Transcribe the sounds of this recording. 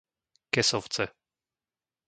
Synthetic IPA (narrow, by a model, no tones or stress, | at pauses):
kɛsɔft̪sɛ